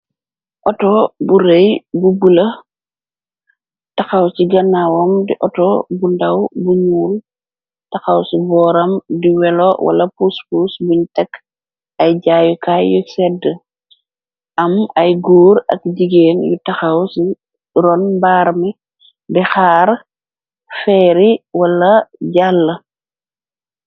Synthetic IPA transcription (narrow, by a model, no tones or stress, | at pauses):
ʔɔtɔbuɾɛjbubulɐ | tɐxɐwsiɡɐnːawɔmdiʔɔtɔbundɐwbuɲuːl | tɐxɐwsibɔːɾɐmdiwɛlɔwɐ̰lɐpuspusbintɛk | ɐjɟaːjukaːjusɛdːə | ʔɐmɐjɡuːɾɐ̰k̚ɟiɡeːnjṵtɐxɐwsi | ɾɔnbaːɾmi | bɛxaːɾ | fɛːɾiwɐlɐɟalːə